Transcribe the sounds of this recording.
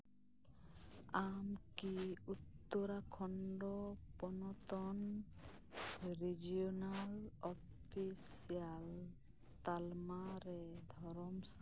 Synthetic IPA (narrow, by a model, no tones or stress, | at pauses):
amkiut̪ːɔɾakʰɔɳɖɔpɔnɔt̪ɔn | ɾid͡ʒiɔnalɔ | pʰisial | t̪almaɾɛd̪ʱɔɾɔmsa